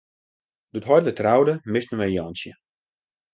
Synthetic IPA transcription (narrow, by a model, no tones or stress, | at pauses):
d̥utɦɔjtʋətrawdəmɪstən̩ʋəjɔnsjə